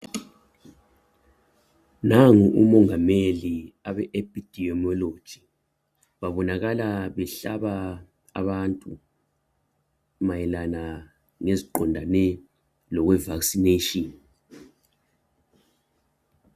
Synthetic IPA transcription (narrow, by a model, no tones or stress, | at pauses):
naŋuʔumɔŋameliaβɛʔep̚ʰʼid̥ʱiɔmɔlod̥ʒ̥ʱi | βaβɔnaɣalaβɛɬaβa | a̰βantʼu | majɛlana | ŋeziǃɔndʱanɛ | lɔɣwɛvaksineʃɔn